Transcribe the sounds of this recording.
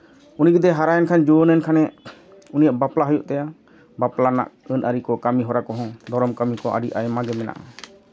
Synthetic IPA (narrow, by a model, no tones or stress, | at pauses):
uniɡɛd̪ɛɦaɾajɛnkʰand͡ʒɔnɛnkʰanɛ | unijaʔbaplaɦɔjuʔt̪ɛja | baplana̰ʔənʔəɾikɔkamiɦɔɾakɔɦɔ̃d̪ɔɾɔmkamikɔʔa̰ɖiʔa̰jmaɡɛmɛna̰ʔa